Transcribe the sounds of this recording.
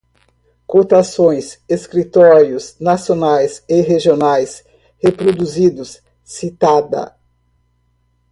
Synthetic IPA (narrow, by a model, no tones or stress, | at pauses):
kot̪asõj̃seskɾit̪ɔɾiʊsnasionajseɦeʒionajs | hepɾod̪uzid̪ʊs | sit̪ad̪ɐ̰